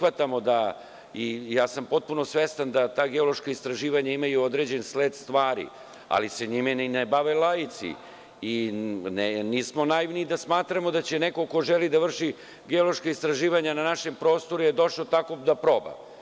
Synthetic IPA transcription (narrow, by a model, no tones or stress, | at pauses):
ʋat̪amo̞d̪a | ijaːsampo̞t̪̚puno̞sʋest̪and̪at̪aːɡeolo̞ʃkaist̪ɾaʒiːʋaɲaimajuod̪ɾe̞d͡ʑe̞nsleːd̪st̪ʋaːɾḭ | a̰liseɲimennebaʋelajit̪sḭ | inniːsmo̞naiʋniːd̪asmaːt̪ɾamo̞d̪at͡ɕe̞ne̞ko̞ko̞ʒelid̪aʋr̩ʃi | ɡeolˠo̞ʃkaist̪ɾaʒiːʋaɲananaʃe̞mpɾo̞ːst̪o̞ɾuje̞d̪o̞ʃot̪ako̞d̪apɾo̞ba̰